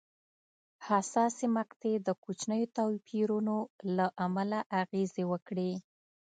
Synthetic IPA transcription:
hasɑsemaqt̪ed̪əkut͡ʃnəjot̪ɑwpʰiɾunolaʔamalaʔaɣezewəkɽe

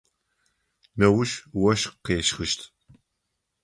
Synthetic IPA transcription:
nɐwʊʃwɐʃqeːʃχɨʃtʰ

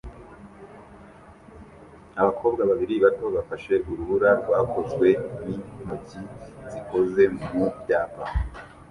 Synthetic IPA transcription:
aβakʰo̞ːbɡaβaβiɾiβato̞βafaʃe̞uɾuβuɾaɾɡwaːkʰo̞zɡwe̞nimuciziko̞ze̞mmubjaːpa

